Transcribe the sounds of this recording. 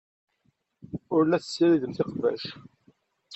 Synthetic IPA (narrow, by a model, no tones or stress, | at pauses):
ʊɾlæθə̥sːiɾiðəmθɪqvæ̰ʃ